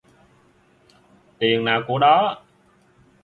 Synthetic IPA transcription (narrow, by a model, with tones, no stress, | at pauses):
t̪i˨˩əŋnaː˨˩wku˧˩əɗɔ˨˦